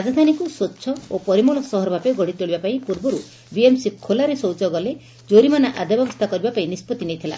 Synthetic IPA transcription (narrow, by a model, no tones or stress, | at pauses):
ɾad͡ʒad̪ʱanikusotːʃʰɔopɔɾimuɭɔsɔɦɔɾɔbʱapeɡɔɽ̤it̪oɭibapaĩpuɾbɔɾu | biemsikʰolaɾesɔwt͡ʃɔɡɔle | d͡ʒoɾimanaʔad̪abɔbɔst̪ʰakɔɾibapaĩnispɔt̪inejt̪ʰila̰